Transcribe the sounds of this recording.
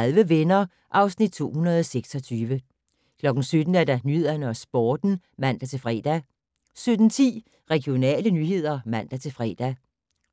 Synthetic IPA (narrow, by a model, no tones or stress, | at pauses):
ðˠʋəʋenɐ | ʔɑ̈ʊsnid̥̚t͡sʰo̝̰ːhunɐð̞ˠɒseɡ̥sɒ̽t͡sʰyːʋə | kʰlɒ̽ɡ̥n̩sød̥n̩æɐd̥ɑ̈nye̝ð̰ˠɐnəɒ̽sb̥ɒːd̥n̩mæn̰d̥æt͡sʰe̝lfʁɛ̰ːd̥æ | sød̥n̩t͡sʰḭː | ʁɛɡ̥io̝nɛ̰ːlənyːɦe̝ð̞̰ˠɐmæn̰d̥æt͡sʰe̝lfʁɛ̰ːd̥æ